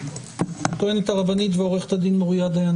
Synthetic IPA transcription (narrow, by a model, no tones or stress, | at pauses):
at̪oenet̪aʁabanit̪veoʁeχe̥t̪ad̪inmuʁjad̪ajan